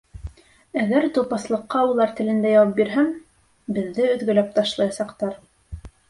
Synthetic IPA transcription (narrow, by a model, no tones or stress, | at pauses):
æðæɾt̪ulˠpɑslˠɤ̆qːɑulˠɑɾt̪ɘ̆lɘ̆nd̪æjɑwɑp̚biɾɦæm | bɘ̆ðːɘɵ̆ðɡɵ̆læp̚t̪ɑʃlˠɑjɑsɑqt̪ɑɾ